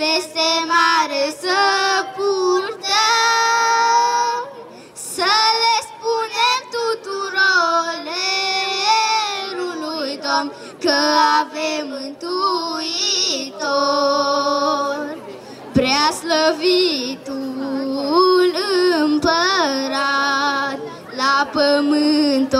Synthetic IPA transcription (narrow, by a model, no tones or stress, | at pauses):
pesemaɾəsəpuɾt̪ə | m | səlespunemt̪ut̪uɾole | ɾulujd̪om | kəavemɨnt̪uit̪o | r | pɾeasləvit̪u | nɨmpəɾat̪̚ | lapəmɨnt̪o